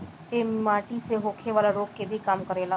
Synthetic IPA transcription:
eːmaːʈiseɦoːkʰeʋaːlaɾoːkkːebʱikaːmkəɾeːlaː

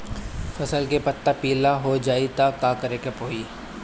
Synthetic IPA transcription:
fʰɐsəlkepɐt̪ːapiːlaɦod͡ʒaːit̪akaːkɐɾeːkepoːiː

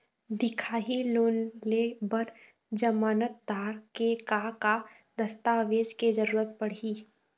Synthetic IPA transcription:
d̪ɪkʰaːɦiloːnlebəɾ | d͡ʒəmaːnət̪̚d̪aːɾkekaka | d̪əst̪aːʋeːd͡ʒked͡ʒəɾuːɾət̪̚pəɽ̤iː

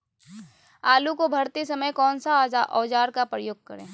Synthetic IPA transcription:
aːlukobʱɐɾt̪isɐməjkɔːnsaʔɔːd͡ʒaːɾkapɾəjoːɡ̚kɐɾḛ̃ː

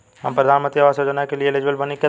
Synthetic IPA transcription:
ɦɐmpɾɐd̪ʱaːnmə̃nt̪ɾiaʋaːsjoːd͡ʒənakelieled͡ʒbəlbɐnikɐ

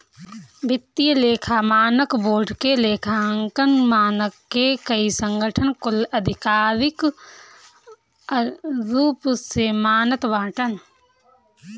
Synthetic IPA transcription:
bʱɪt̪ːijəleːkʰamaːnəkboːɾɖkeleːkʰaŋkənmaːnəkːekəisə̃ŋɡʱəʈʰənkʊləd̪ʱɪkaːɾɪk | ɾuːpsemaːnət̪ʋãːʈən

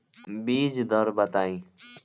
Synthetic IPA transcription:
biːd͡ʒd̪ʱəɾbət̪aːĩː

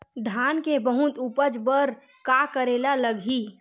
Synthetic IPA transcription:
d̪ʱankebəɦut̪upəd͡ʒbəɾ | kakəɾelaləɡʱi

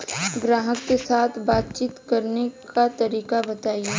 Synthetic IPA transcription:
ɡɾaːɦəkːesaːt̪ʰbaːt̪t͡ʃiːt̪kɐɾnekat̪ɐɾiːkabɐt̪aːie

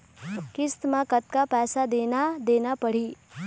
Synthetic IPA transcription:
kɪst̪mãkət̪̚kapɛːsad̪eːnad̪eːnapəɽ̤iː

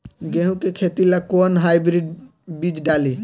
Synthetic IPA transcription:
ɡeɦũkekʰet̪ilakonɦajbɾiɖ | bid͡ʒɖali

